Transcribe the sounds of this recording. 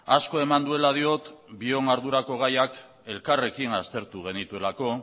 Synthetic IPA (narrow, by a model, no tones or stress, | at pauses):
asko̞e̞mand̪ue̞lað̞io̞t̪bio̞ŋaɾðuɾako̞ɣ̞ajak | e̞lkare̞kiŋast̪e̞ɾt̪uɣ̞e̞nit̪ue̞lako̞